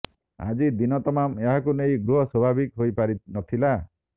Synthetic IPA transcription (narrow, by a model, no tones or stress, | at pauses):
a̰d͡ʒid̪inɔt̪ɔmameɦakunejɡɾuɦɔswɔbʱabikɦojpaɾinɔt̪ʰila